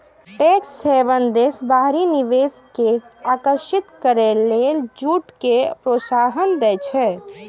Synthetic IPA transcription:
ʈeːksːeːʋənd̪eːsbaːɦɾinɪʋeːskesaːkəɾʃɪt̪kəɾeleːld͡ʒuːʈkepɾoːsaːɦənd̪ɛt͡ʃʰɛ

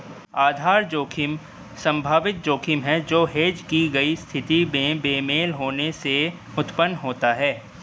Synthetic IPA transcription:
aːd̪ʱaːɾd͡ʒoːkʰɪm | sɐ̃mbʱaːʋɪt̪̚d͡ʒoːkʰɪmɦɛd͡ʒoːɦeːd͡ʒkiɡɐist̪ʰɪt̪imẽbeːmeːlɦoːnese | ʊt̪pənːɦoːt̪aɦɛː

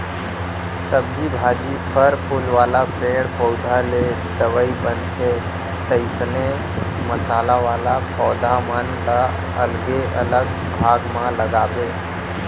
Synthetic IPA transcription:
səb̚d͡ʒibʱaːd͡ʒipʰəɾpʰʊlʋaːlapeːɽpɔʊd̪ʱale | d̪əʋəibənt̪ʰe | t̪əɪsne | məsaːlaʋaːlapɔːd̪ʱamənla | əlɡeʔə̰ləɡ̚ | bʱaːɡmãləɡaːbeː

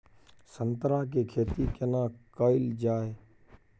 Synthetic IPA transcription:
sənt̪ɾãːk̬eːkʰeːt̪iːkenãːkəːɪld͡ʒaːeː

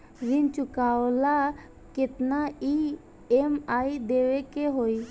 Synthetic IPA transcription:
ɾɪnt͡ʃʊkawla | kɪt̪nai | emaid̪eʋekeɦoi

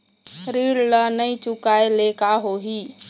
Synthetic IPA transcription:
ɾiɽlənəĩt͡ʃukaelekaɦoɦi

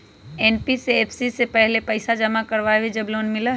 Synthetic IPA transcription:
eːnpiseeːpʰsisepɛɦlepɐɪsad͡ʒɐmakɐɾʋaːʋid͡ʒɐbloːnmɪla

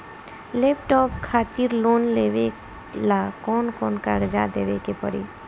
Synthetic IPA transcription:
lep̚ʈɔpkʰat̪iɾlonlebe | lakɔːnkɔːnka̰ɡəd͡ʒad̪ebekepə̰ɾḭ

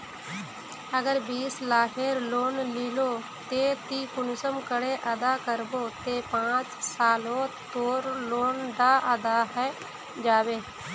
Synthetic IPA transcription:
əɡəɾbiːslaːɦeɾloːnliːloː | t̪eːt̪iːkʊnʊsəmkəɽeːʔəd̪aːkəɾboːt̪eːpãːt͡ʃsaːlõːt̪oːɾloːnd̪aːʔəd̪aːɦɛː | d͡ʒaːʋeː

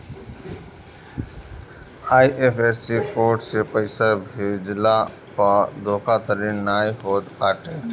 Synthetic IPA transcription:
aːiʔeːpʰeːsikoːʈsepəɪsabʱeːd͡ʒla | pad̪oːkʰat̪əɾiːnːaːiɦoːt̪aːʈeː

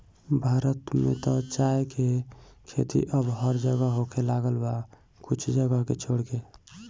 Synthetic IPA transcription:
bʱaːɾət̪mḛt̪ɔt͡ʃaekekʰḛt̪ḭʔəbɦəɾd͡ʒəɡəɦokelaɡəlba | kʊt͡ʃʰd͡ʒəɡəɦket͡ʃʰoɽke

